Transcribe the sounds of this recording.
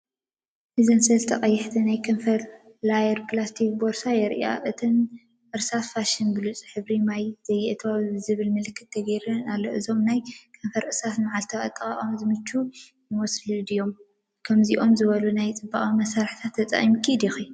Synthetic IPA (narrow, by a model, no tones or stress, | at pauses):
ʔɨzɐnsɐlt̪ʰɐχʼɐjːɛħt̪ʰinajkʰɐɱfɐɾ | lajɐɾpʰɨlast̪ʰik̚boɾsajɛɾia̰ʔɨt̪ʰɨn | ʔɨɾsat̪faʃɪnbɨlut͡sʼħɨβɾimajz̥ɐjːɛʔet̪ʰβazɨβɨlmɨlɨkːɨ̥t̪̚ʰːɐɡɐjɾɐnalːoʔɨzo̞mnajkʰɐnfɐɾʔɨsat̪maʕalt̪ʰɐʔʼɐ̰t̪ʼːɨkʼaʔʼomzɨmɨt͡ʃːu | nɨwɔslud̪ijo̞m | kʰɐmziʔo̞mzɨβɐlunajt͡sʼɨbːaχʼimɐsaɾħt̪ʰat̪ʰːɐt͡sʼɐ̰χʼimkʰid̪ixi